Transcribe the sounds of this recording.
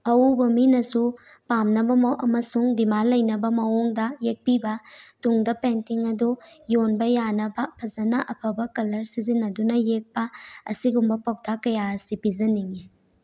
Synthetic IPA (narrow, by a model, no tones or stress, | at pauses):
ɐubɐminɐsu | pamnɐbɐmʔɐmɐsuŋdimalɐjnɐbɐmɐwuŋdɐjek̚pibɐtuŋdɐpentiŋɐdujonbɐjanɐbɐpʰɐzɐnɐʔɐpʰɐbɐkɐlɐɾsizinːɐdunɐjek̚pɐɐsiɡumbɐpɐwk̚dakɐjaɐsipizɐniŋi